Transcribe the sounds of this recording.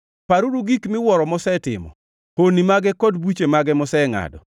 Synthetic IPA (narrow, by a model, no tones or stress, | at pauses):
paɾuɾuɡikmɪwɔɾɔmɔsɛtɪ̰mɔ̰ | honimaɡɛkɔdbwut͡ʃemaɡɛmɔsɛŋa̰dɔ̰